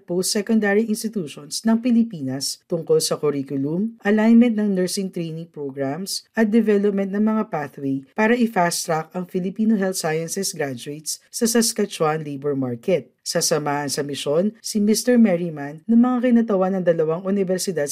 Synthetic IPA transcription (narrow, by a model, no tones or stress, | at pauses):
post̪sɛkond̪aɾiʔɪnst̪ɪt̪uːʃonsnɐŋpɪlɪpiːnɐst̪ʊŋkolsɐkʊɾikʊlumʔɐlajnmɛ̃nt̪nɐŋnɛɹsɪŋt̪ɾejnɪŋpɹoɡɹamsʔɐt̪̚d̪ɛvɛlop̚mɛ̃nt̪̚nɐŋmɐŋapaθwejpaːɾɐʔɪfast̪ɾakɐŋfɪlɪpiːnoɦɛlt̪sajɐnsɛsɡɾad͡ʒʊejt̪ssɐsɐskɐt͡ʃwanlejbɛɹmaɹkɛt̪̚sɐsɐmaːhɐnsɐmɪʃo̞nsimɪst̪ɛɹmɛɹimanːɐŋmɐŋakɪnat̪ɐwanːɐŋd̪ɐlɐwaŋʔunɪvɛɾsɪd̪ad̪̚